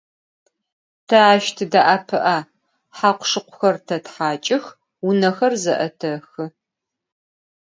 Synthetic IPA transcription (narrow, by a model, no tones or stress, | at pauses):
tʰɐaːʃtʰɨdaʔaːpʰɨʔa | ħaqʷʊ̥ʂɨqʷʊxɐrtʰɐtħaːt͡ʃʼɪx | unɐxɐrzɐʔɐ̰tʰɐxɨ